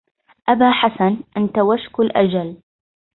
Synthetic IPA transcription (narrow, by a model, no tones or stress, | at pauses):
ʔabaːħasanʔant̪awaʃkalʔa̰d͡ʒal